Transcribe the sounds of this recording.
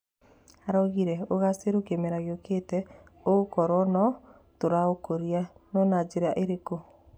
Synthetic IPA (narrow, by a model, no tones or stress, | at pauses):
aɾɔɣiɾɛoɣaseɾokemeɾaɣjokʰetɛ | oɣokɔɾɔnɔ | toɾaokoɾianɔnad͡ʒeɾaʔeɾeko